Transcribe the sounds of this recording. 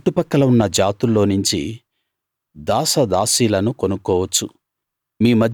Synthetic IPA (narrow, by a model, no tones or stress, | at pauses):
ʈːupɐkːɐlɐunːɐd͡ʒaːt̪ulːo̞ːnuɲt͡ʃḭ | d̪aːsɐd̪aːsiːlɐnukonukːɔːʋɐt͡ʃːu | miːmɐd̪